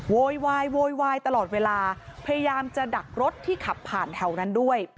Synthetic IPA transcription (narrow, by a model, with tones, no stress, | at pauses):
woː˧jwaː˧jwoː˧jwaː˧jt̪a˧lɔː˨˩t̪̚weː˧laː˧pʰa˧ja˧jaː˧mt͡ɕa˨˩da˨˩k̚ɾo˦˥t̪ʰːiː˥˩kʰa˨˩pʰːaː˨˩nt̪ʰɛ˧˩wna˦˥ndu˥˩əj